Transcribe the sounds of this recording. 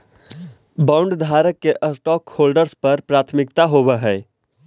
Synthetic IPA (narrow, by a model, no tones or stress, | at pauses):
bãːʊ̃ɳɖd̪ʱaːɾəkːeʔəsʈɔːkhoːlɖəɾspɐɾpɾaːt̪ʰmɪk̚t̪aɦobəɦɛː